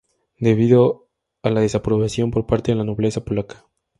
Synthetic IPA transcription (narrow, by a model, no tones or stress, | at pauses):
d̪e̞β̞iðo | alað̞e̞sapɾo̞βasjo̞mpo̞ɾpaɾt̪e̞ðelano̞βle̞sapo̞lakḁ